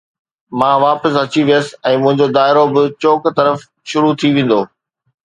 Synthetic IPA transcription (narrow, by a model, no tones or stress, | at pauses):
mãːʋaːpəsɐt͡ɕiʋijəsɪ̆ɛ̃ːmʊ̃ɦɪ̃ɲd͡ʑod̪aːɪɾobɪt͡ɕoːkt̪ɐɾəf | ʃʊɾut̪ʰiʋẽːn̆d̪oː